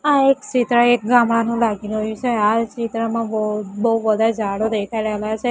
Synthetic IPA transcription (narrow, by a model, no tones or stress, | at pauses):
aekt͡ʃit̪ɾaek̚ɡamanũlaɡinɦojũt͡ʃʰeat͡ʃit̪ɾamãbbəɦuʋəd̪ʱad͡ʒʱaɽod̪ekʰajɾəeljat͡ʃʰe